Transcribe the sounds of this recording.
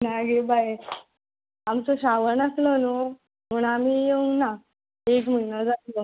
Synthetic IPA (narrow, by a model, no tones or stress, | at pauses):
naɡebaj | amt͡soɕaʋənəslono | muɳamiːjeuŋɡna | ekm̤əjnəd͡zaslo